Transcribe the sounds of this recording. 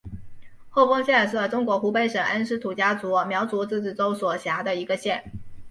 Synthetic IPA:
xo˥˩ʊfɤ˥ŋɕjɛ˥˩ʂɤ˥˩ʈ͡ʂʊ˥ŋkwɔ˧˥xu˧˥pe˧˥ɪʂɤ˨˩ŋʔa˥nʂɻ̩˥t̪ʰu˨˩t͡ɕja˥t͡su˧˥mjɑ˧˥ʊt͡su˧˥t͡sɹ̩˥˧t͡s̩˥˩t͡so˥ʊswɔ˨˩ɕja˧˥d̪ə˧i˧˥ɡə˧ɕjɛ˥˩n

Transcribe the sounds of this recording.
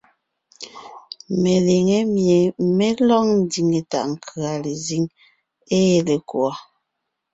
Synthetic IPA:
me˨le˨ŋe˦mje˨me˦lɔ˦ŋn˦di˨ŋe˨ta̰˨ʔŋ̩˨kʰə˨a˨le˨zi˦ŋ | e˦e˨le˨kwa˨

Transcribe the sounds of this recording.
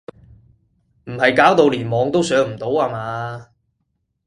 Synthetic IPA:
m̩˨˩hɐ˨jkaː˨˥wt̪o˨˧wliː˨˩nmɔː˨˧˥ŋt̪o˥wsœː˨˥ŋm̩˨˩t̪o˨˥whaː˧maː˨˥

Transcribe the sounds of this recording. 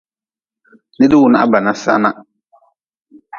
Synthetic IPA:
nɪ˦dɪ˦wʊ˨na˦ʔa˦ba˨nã˦sa̰˦na˦

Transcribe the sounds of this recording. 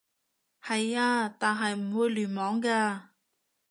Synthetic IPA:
hɐ˨jaː˧t̪aː˨nɦɐ˨jm̩˨˩wuː˨˧jlyː˨˩nmɔː˨˥ŋkaː˧

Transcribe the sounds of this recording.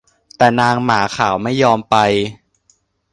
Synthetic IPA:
t̪ɛː˨˩naː˧ŋmaː˩˦kʰaː˩˦wma˥˩jːɔː˧mpa˧j

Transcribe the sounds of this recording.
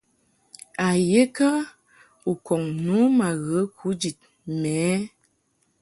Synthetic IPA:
a˨je˦kə˦ | u˨kɔ˨ŋnu˨˦ma˨ɣə˨˦kʰu˨˦d͡ʒi˨t̚ | mɛː˨˦

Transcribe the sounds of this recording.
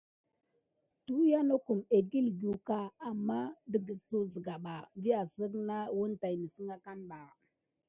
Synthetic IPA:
tu˦ja˦no˦ku˨me˨ɡi˦lɡu˨ka˦a˨mːa˦də˨ɡə˨su˦zə˨ɡa˨ɓa˨vi˦a˨sə˦ɡna˦wu˦nta˨jnə˨sə˦ŋa˦ka˦nɓa˨

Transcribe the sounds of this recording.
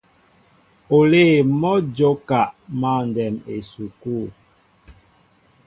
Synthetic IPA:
o˨le˦˨mɔ˦d͡ʒo˦ka˨ʔma˦˨n˨dɛ˨me˨su˨ku˦˨

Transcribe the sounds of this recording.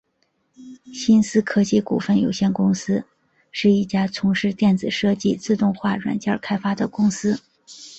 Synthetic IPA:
ɕi˥nsɹ̩˥kʰɤ˥t͡ɕi˥˩kṵ˨˩fə˥˩njo˨˩ʊɕjɛ˥˩nkʊ˥ŋsɹ̩˥ | ʂɻ̩˥˧i˥˩t͡ɕja˥t͡sʰʊ˧˥ŋʂɻ̩˥˧t̪jɛ˥˩nt͡sɹ̩˨˩ʂɤ˥˧t͡ɕi˥˧t͡sɹ̩˥˧t̪ʊ˥˧ŋxwa˥˩ɻwa̰˨˩nt͡ɕjɑ˥˩kʰa˥ɪfa˥d̪ə˨kʊ˥ŋsɹ̩˥

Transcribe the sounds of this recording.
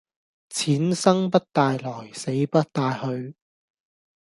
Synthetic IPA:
t͡sʰiː˨˥nsɐ˥ŋpɐ˥t̚t̪aː˧jlɔː˨˩jse˨˥jpɐ˥t̚t̪aː˧jhɵ˧ɥ

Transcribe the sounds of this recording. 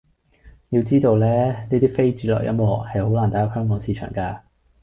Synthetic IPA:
jiː˧wt͡siː˥t̪o˧wlɛː˥niː˥t̪iː˥fe˥jt͡ʃyː˨˥lɔ̰ː˨˩kjʔɐ̰˥mɔː˨˩khɐ˨jho˨˥wlaː˨˩nt̪aː˨˥jɐ˥hœː˥ŋkɔː˨˥ŋsiː˨˧t͡ʃʰœ̰ː˨˩ŋkaː˧

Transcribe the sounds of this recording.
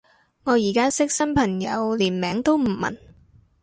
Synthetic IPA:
ŋɔː˨˧jiː˨˩kaː˥sɪ˥k̚sɐ˥npʰɐ˨˩ŋjɐ˨˧wliː˨˩nmɛː˨˥ŋt̪o˥wm̩˨˩mɐ̰˨˩n

